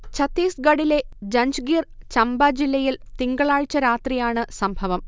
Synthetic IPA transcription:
t͡ɕʰɐt̪ːiːsɡɐɽile̞d͡ʑɐɲd͡ʑɡiːrt͡ɕɐmbaːd͡ʑilːɐjilt̪iŋɡɐɭaːɻt͡ɕːɐɾaːt̪rijaːɳɨsɐmbʱɐʋɐm

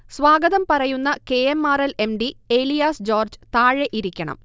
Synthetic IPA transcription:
sʋaːɡɐðɐmpɐrɐjunːɐke̞emːaːɾɐle̞mɖieːlijaːsd͡ʑo̞ːrd͡ʑɨt̪aːɻeʔiɾikʲːɐɳɐ̰m

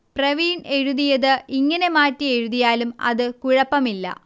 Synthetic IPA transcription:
prɐʋiːne̞ɻuðijɐðɨiŋːɐne̞maːtːie̞ɻuðijaːlumɐ̰ðɨkuɻɐpːɐmilːɐ̰

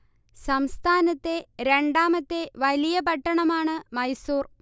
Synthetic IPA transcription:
sɐmst̪ʰaːnɐt̪ːe̞ɾe̞ɳɖaːmɐt̪ːe̞ʋɐlijɐpɐʈːɐɳɐmaːɳɨmɐjsuːr

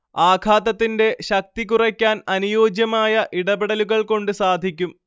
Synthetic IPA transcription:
aːkʰaːt̪ɐt̪ːinde̞ɕɐk̚t̪ikurɐkʲːaːnɐnujoːd͡ʑjɐmaːjɐʔiɽɐbeɽɐluɣɐɭko̞ɳɖɨsaːd̪ʱikʲːum

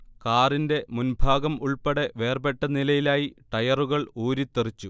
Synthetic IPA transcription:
kaːrinde̞munbʱaːɡɐmuɭpeɽe̞ʋe̞ːrbe̞ʈːɐnilɐjilaːjiʈɐjɐruɣɐɭoːɾit̪ːerit͡ɕːu

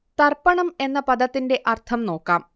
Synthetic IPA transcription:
t̪ɐrpɐɳɐme̞nːɐpɐd̪ɐt̪ːinde̞ʔɐrt̪ʰɐmno̞ːkːaːm

